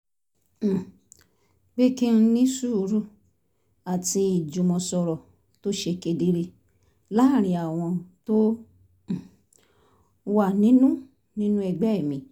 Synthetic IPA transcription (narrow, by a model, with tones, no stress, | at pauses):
ɡ͡be˦ki˦n̩˧˦nĩ˦su˦˨˦ɾu˦ | a˨ti˧i˨d͡ʒũ˨mɔ̃˨sɔ˧ɾɔ˨ | to˦ʃe˧ke˧di˦ɾe˧ | la˦˨ɾ̃ĩ˧a˨w̃ɔ̃˧to˦˨ | wa˦˨nĩ˨˦nũ˦ | nĩ˦nũ˦ɛ˧ɡ͡bɛ˦˨mĩ˧˦